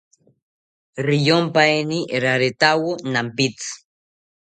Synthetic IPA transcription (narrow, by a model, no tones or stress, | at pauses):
ɾijompajniɾaɾet̪awonampit͡s